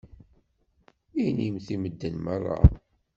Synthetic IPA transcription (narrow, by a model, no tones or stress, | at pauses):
ijnimθiməd̪ːənmərˤːɑ̰